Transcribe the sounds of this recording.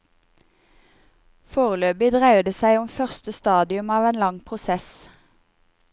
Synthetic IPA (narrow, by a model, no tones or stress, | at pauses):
foːʁəløːbɪd̪ʁæɪd̪əsæɪʊmfœʁst̪əst̪ɑːd̪ɪʉmɑːʋeːnlɑŋpʰʁʊsɛs